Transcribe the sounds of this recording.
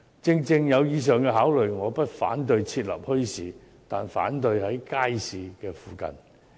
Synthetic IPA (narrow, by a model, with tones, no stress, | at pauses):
t͡sɪ˧ŋt͡sɪ˧ŋjɐ˨˧wjiː˨˧s̬œː˨ŋkɛ˧ɦaː˨˥wlɵ˨ɥjŋɔː˨˧pɐ˥t̚fa̰ː˨˥nt̪̬ɵ˧ɥt͡sʰiː˧t̚lɐ̰˨˩p̚hɵ˥ɥsiː˨ | t̪aː˨nfa̰ː˨˥nt̪ɵ˧ɥhɐ˨˥jkaː˥jsiː˨˧kɛː˧fuː˨kɐ̰˨n